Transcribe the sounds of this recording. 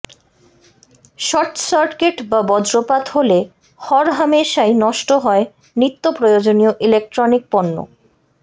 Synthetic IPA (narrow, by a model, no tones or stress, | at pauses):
ʃɔɾʈsaɾkeʈbabɔdɾopat̪hole | hɔɾɦameʃajnɔʃʈoɦɔe | nɾit̪ːopɾojod͡ʑonioʔilek̚ʈɾonik̚pɔnːo̰